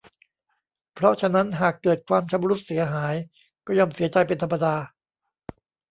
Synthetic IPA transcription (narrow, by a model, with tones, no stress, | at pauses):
pʰɾɔ˦˥t͡ɕʰa˧na˦˥nɦaː˨˩kːɤː˨˩t̪̚kʰwaː˧mt͡ɕʰa˦˥mɾu˦˥t̪̚si˨˦ɐɦaː˩˦j | kɔː˥˩jɔ˧msi˩˦ɐt͡ɕa˧jpe˧nt̪ʰmːa˧daː˧